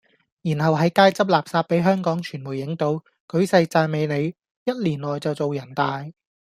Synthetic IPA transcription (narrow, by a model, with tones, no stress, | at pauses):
jiː˨˩nɦɐ˨wɦɐ˨˥jkaː˥jt͡sɐ˥p̚laː˨˩p̚saː˧t̚pe˨˥jɦœː˥ŋkɔː˨˥ŋt͡ʃʰyː˨˩nmuː˨˩jɪ˨˥ŋt̪o˨˥w | kɵ˨˥ɥsɐ˧jt͡saː˧jme˨˧jne˨˧j | jɐ˥t̚liː˨˩nlɔː˨jt͡sɐ˨wt͡so˨wjɐ˨˩nt̪aː˨j